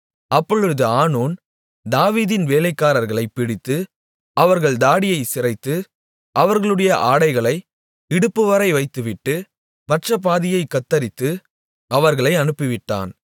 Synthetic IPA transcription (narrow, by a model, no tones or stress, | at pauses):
ɐpːɔɭɯɯðɯaːnoːn | d̪aːʋiːðɪnʋeːlɐɪkːaːɾɐɾɣɐɭɐɪpːɪɽɪt̪ːɯ | ɐʋɐɾɣɐɭd̪aːɽɪjɐɪsɪrɐɪt̪ːɯ | ʔɐʋɐɾɣɐɭɯɽɐjɐʔaːɽɐɪɣɐɭɐɪ | ɪɽɯpːɯʋɐɾɐɪʋɐɪt̪ːɯʋɪʈːɯ | mɐʈrɐp̬aːðɪjɐɪkːɐt̪ːɐɾɪt̪ːɯ | ʔɐʋɐɾɣɐɭɐɪɐnɯpːɪʋɪʈːa̰ːn